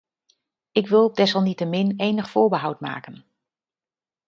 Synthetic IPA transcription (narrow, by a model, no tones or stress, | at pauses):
ɪkʋɪlˠɔb̚dɛsɑlˠnitəmɪnejnəχfʊːɹbəɦʌwtma̰ːkən